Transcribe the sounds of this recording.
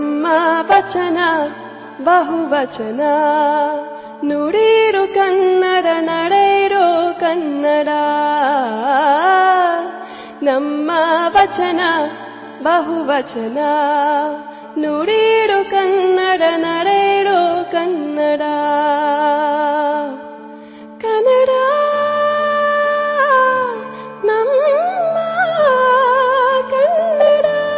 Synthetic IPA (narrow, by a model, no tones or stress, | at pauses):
mːɐʋɐt͡ʃɐnɐ | bɐɦuʋɐt͡ʃɐnɐ | nuɽiɽukɐnːɐɽɐnɐɽɐjɽokɐnːɐɽa | nɐmːɐʋɐt͡ʃɐnɐ | bɐɦuʋɐt͡ʃɐnɐ | noɽiɽokɐnːɐɽɐnɐɽeɽokɐnːɐɽa | kɐnɐɽa | nɐmː | ɐ | kɐnːɐɽa